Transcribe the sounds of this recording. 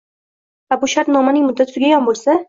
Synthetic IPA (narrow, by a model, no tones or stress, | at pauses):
vabʊʃaɾt̪nɒmanɪŋmʊd̪ːat̪ʰɡʲaɡʲanbolˠsa